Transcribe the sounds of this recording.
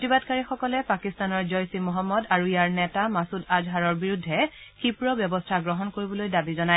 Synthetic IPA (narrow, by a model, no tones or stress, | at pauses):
tibadkaɹixɔkɔlɛpakistanɔɹzɔjsimɔɦɔmːɔdaɹuijaɹnɛtamasudazɦaɹɔɹbiɹudʱːɛxipɹɔbjɔbɔstʰaɡɹɔɦɔnkoɹibɔlojdabizɔnaj